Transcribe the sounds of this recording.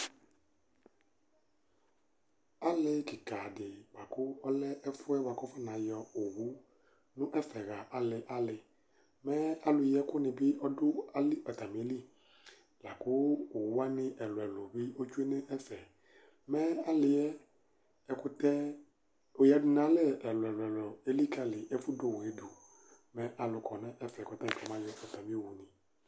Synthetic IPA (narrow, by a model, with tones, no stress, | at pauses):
a˦lɪ˨kɪ˨ka˨dɪ˨ɡ͡ba˨kʊ˦ɔ˦lɛ˦ʔɛ˦fʊ˦ɛ˦wa˨kʊ˦fɛ˦nã˨jɔ˨o˨wu˦ | nʊ̃˦ʔɛ˦fɛ˨ɣa˨ʔa˨lɪ˨ʔa˦lɪ˨ | mɛ˦a˨lʊ˨jɛ˦kʊ˦nɪ̃˨bɪ˦ʔɔ˦dʊ˦a˦lɪ˦ʔɔ˨t̪a˨m˨e˦li˦˨ | la˨kʊ˦o˨wu˦a˦nɪ̃˨ʔɛ˨lʊ˨ɛ˨lʊ˨bɪ˦o˦t͡ʃu˦e˦nɛ̃˦ʔɛ˦fɛ˨ | mɛ˦a˨lɪ˨ɛ˦ | ɛ˨kʊ˦t̪ɛ˦ | o˨ja˨dʊ˨˦nã˨˦lɛ˦ɛ˨lʊ˨ɛ˨lʊ˨ɛ˨lɔ˨e˦li˦ka˨lɪ˨ʔɛ˦fʊ˦do˨wɛ˦du˨ | mɛ̃˦ʔa˨lʊ˨kʰɔ˨nɛ̃˦ʔɛ˦fɛ˨kɔ˨t̪a˦ŋ˨kɔ˨mã˦jɛ˦ɔ˨t̪a˨mĩ˦o˦˨wu˨nɪ̃˨